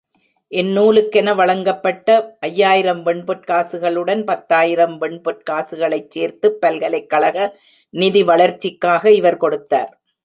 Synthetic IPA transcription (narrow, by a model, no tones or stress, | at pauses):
ʔɛnːuːlɯkːɛnɐʋɐɭɐŋɡɐpːɐʈːɐʔɐjːaːjɪɾɐmʋɛɳpɯʈ̚kaːsɯɣɐɭɯɽɐnpɐt̪ːaːjɪɾɐmʋɛɳpɯʈ̚kaːsɯɣɐɭɐɪt͡ʃːeːɾt̪ɯpːɐlɣɐlɐɪkːɐɭɐɣɐ | nɪðiʋɐɭɐɾt͡ʃːɪkːaːɣɐɪʋɐɾkɔɽɯt̪ːa̰ːɾ